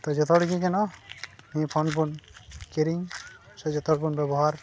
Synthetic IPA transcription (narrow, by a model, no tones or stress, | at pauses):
t̪ɔd͡ʒɔt̪ʰɔɽiɡikɛnɔnĩpʰɔnpunkiɾiŋ | sɔd͡ʒɔt̪ʰɔɽpunbɛbɔɦaɾ